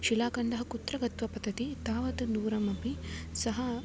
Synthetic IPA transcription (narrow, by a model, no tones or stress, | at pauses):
ʃilaːkɐɳɖɐɦɐkut̪ɾɐɡɐt̪ʋɐpɐd̪ɐt̪it̪aːʋɐt̪ɐnuːɾɐmɐpisɐɦɐ